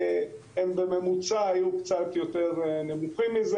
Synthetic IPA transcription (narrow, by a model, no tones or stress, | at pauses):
embeme̞mut͡saːjukt͡sat̪jo̞te̞ʁnemuχimːize